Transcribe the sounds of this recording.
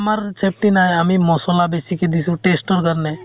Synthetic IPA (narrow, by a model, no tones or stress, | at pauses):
maɾt͡ʃʰep̚ʈinajamimɔsɔlabesiked̪isʰuʈesʈoɾkaɾne